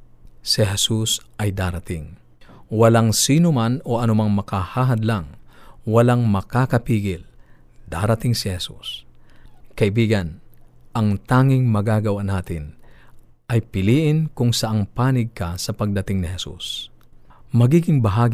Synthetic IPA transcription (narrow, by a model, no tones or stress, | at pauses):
sɪɦɛsusʔɐjd̪aːɾɐt̪ɪŋ | wɐlaŋsiːnʊmanoʔɐnʊmaŋmɐkahaɦɐd̪laŋwɐlaŋmɐkakɐpiːɡɪl | d̪̥aːɾɐt̪ɪŋsɪhɛsṵs | kɐʔɪbiːɡɐnʔɐŋt̪aːŋɪŋmɐɡaːɡɐwanaːt̪ɪn | ʔɐjpɪliːʔɪnkʊŋsɐʔaŋpaːnɪɡ̚kɐsɐpɐɡ̚d̪ɐt̪ɪŋnɪhɛsṵs | mɐɡiːɡɪŋbɐɦaːɡ